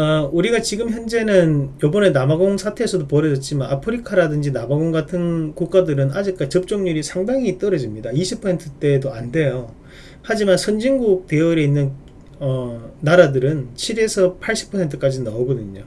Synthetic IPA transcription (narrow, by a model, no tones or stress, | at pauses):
uɾiɡat͡ɕiɡɯmçjʌnd͡ʑe̞nɯnjobʌne̞namaɡoŋsʰatʰe̞ːsʰʌdopʌɾʌd͡ʑʌt̚t͡ɕ͈imanapʰɯɾikʰaɾadɯnd͡ʑinamaɡoŋɡatʰɯnkuk̚k͈adɯɾɯnɦad͡ʑik̚k͈at͡ɕʌp̚t͡ɕ͈oŋɲuɾisʰaŋdaŋit͈ʌɾʌd͡ʑimɲidaiɕʰipʰʌsʰe̞ntʰɯt͈e̞doande̞jo | had͡ʑimansʰʌnd͡ʑiŋɡuk̚te̞ʌɾeinːɯn | ʌnaɾadɯɾɯnt͡ɕʰiɾe̞sʰʌpʰaɭɕ͈i̥pʰʌsʰe̞ntʰɯk͈ad͡ʑinauɡʌdɯɲo